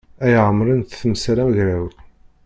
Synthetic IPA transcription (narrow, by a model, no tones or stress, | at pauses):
æjʕəmːɾənt̪θəmsɾæmʝɾæw